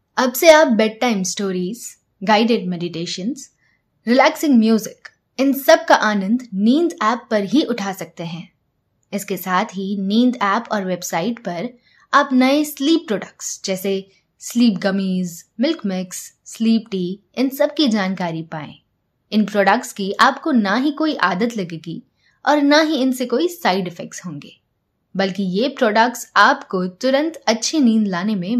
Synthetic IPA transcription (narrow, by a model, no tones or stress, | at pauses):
ɐbseaːp̚bɛːɖ̚ʈaːɪmsʈoːɾiːz̥ | ɡaːɪɖeːʈ̚mɛːɖɪʈeːʃənz | ɾɪlɛːksɪ̃ŋɡmjuːzɪk | ɪnsɐb̚kaʔaːnə̃nd̪ʱnĩːnd̪ɛːpːɐɾɦiʔʊʈʰaːsɐk̚t̪eɦɛ̃ː | ɪskesaːt̪ʰɦinĩːnd̪ɛːpɔːɾʋeːbsaːɪʈpɐɾ | aːpnɐesliːpːɾɔːɖək̚ʈsd͡ʒɛːse | sliːpɡɐmiːzmɪlkmɪksː | liːpʈiː | ɪnsɐbkid͡ʒaːnkaːɾipaːḛ̃ː | ɪnpɾɔːɖəkʈskiʔaːpkonaɦikoːiʔaːd̪ət̪lɐɡeːɡḭ | ɔːɾnaɦiɪnsekoːisaːɪɖɪfɛk̚ʈsɦõːŋɡeː | bɐlkijepɾɔːɖək̚ʈsaːpkot̪ʊɾə̃nt̪ɐtːʃʰinĩːnd̪laːnemẽ